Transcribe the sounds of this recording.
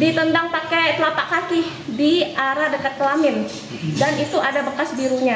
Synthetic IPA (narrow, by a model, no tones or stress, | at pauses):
dit̪əndaŋpakɛt̪əlapaʔkakidiʔaɾadəkət̪̚kəlamɪn | danit̪uʔadabəkasbiɾuɲa